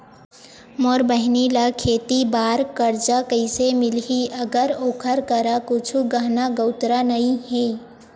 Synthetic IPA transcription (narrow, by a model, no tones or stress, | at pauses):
mɔːɾbəɦnilakʰeːt̪ibaːɾkəɾd͡ʒakəɪsemɪlɦiʔəɡəɾoːkʰəɾkəɾakʊt͡ʃʰuɡəɦnaɡəʊt̪ɾanəĩhe